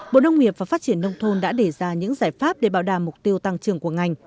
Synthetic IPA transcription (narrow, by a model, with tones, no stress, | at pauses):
ɓo̰˧˨ɗə˧wŋ͡mŋi˨˩əp̚vaː˨˩faː˦˥t̚t͡ɕi˧˩ənːə˧wŋ͡mt̪ʰo˧nɗa̰ː˧˥ɗe˧˩zaː˧ɲɨ̰˧˥ŋzaː˧˩jfaː˦˥p̚ɗe˧˩ɓaː˧˩wɗaː˨˩mːʊ˨˩k͡p̚t̪i˧əwt̪a˧ŋt͡ɕɨ˨˩əŋku˧˩əŋa˨˩jŋ̟